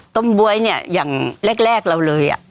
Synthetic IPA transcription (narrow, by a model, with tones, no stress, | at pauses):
t̪o˧˥˩mbu˧əjni˥˩ɐjaː˨˩ŋlɛ˥˩k̚lɛː˥˩k̚la˧wlɤː˧jʔa̰˨˩ʔ